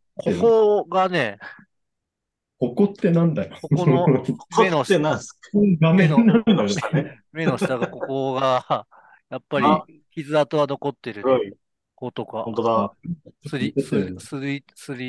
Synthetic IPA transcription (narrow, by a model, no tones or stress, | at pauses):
kʰokoɡane̞ | kokot̪ːe̞nãnd̪ajokokooenoɕnaɡamẽnonːaɯ̃nd̪ajoae | me̞noɕit̪aɡako̞koɡa | japːaɾʲi | çʲizɨat̪oβano̞ko̞t̪ːe̞ɾɯ̟ | kot̪o̞kãt̪od̪asɨɾissɨ | sɨɾʲi